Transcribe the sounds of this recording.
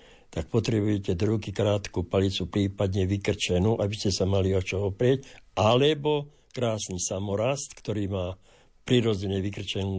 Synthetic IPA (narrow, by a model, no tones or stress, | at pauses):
t̪ak̚pɔt̪ɾɛbujɛcɛd̪ɾuʊkikɾaːt̪kupalit͡supɾiːpad̪ɲɛʋikr̩t͡ʃɛnuːʔabiscɛsamaliɔt͡ʃɔɔpɾɪɛcalɛbɔ | kɾaːsnisamɔɾast̪kt̪ɔɾiːmaː | pɾiɾɔd͡zɛɲɛʋikr̩t͡ʃɛn